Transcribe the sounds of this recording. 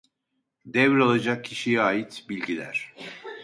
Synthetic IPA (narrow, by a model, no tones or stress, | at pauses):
d̪ɛvɾalˠad͡ʒak̚cʰːiʃijɛaːjit̪bilʲɟilʲæ̰ɾ̥